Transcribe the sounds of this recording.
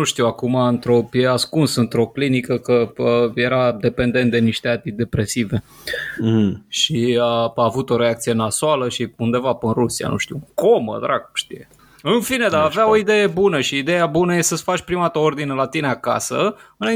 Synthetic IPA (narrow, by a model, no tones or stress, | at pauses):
nuʃt̪iwakumaɨnt̪ɾo̞pjeaskunsɨnt̪ɾo̞klinikəkəəje̞ɾad̪e̞pe̞nd̪e̞nt̪̚d̪eniʃt̪eat̪id̪e̞pɾe̞sive̞ | ʃiaaːvut̪o̞ɾe̞akt̪sijenasoaləʃiund̪e̞vapɨnrusia̰nṵʃt̪iuko̞mə̰d̪ɾaku̥mʃt̪ije | ɨnfine̞d̪aːveao̞id̪e̞je̞bunəʃiːd̪ejabunəjesəsfat͡ʃʲpɾimat̪oo̞rd̪inelat̪ineaka̰səɨna